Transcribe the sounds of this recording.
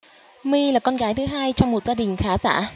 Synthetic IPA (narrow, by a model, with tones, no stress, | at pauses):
mi˧laː˨˩kɔ˧nɣaː˨˦jt̪ʰɨ˨˦ɦaː˧jt͡ɕɔ˧wŋ͡mmo˨˩t̚zaː˧ɗï˨˩ŋ̟xaː˨˦za̰ː˧˩˨